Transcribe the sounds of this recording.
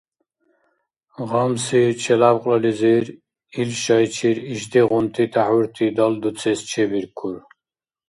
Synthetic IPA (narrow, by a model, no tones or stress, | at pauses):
ʁɔmsit͡ʃʰɛlabqʼlɔliziɾ | ilʃɑjt͡ʃʰiɾiʒd̪iʁunt̪ʰit̪ʰahwuɾt̪ʰid̪ɔld̪ut͡sʰɛst͡ʃʰɛbiɾkʰuɾ